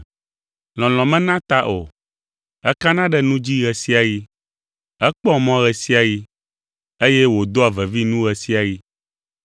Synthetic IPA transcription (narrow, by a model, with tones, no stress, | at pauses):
l̃ɔ̃˨l̃ɔ̃˨mɛ̃˦nã˦t̪a˦ʔo̰˨ | ɛ˦ka˦nã˦ɖɛ˦nũ˦d͡ʑi˦ɣɛ˨si˦a˨ji˦ | ɛ˦k͡pɔ˦mɔ̃˦ɣɛ˨si˦a˨ji˦ | e˦jɛ˦wo˨d̪o˦a˨vɛ˨vi˦nũ˦ɣɛ˨si˦a˨ji˦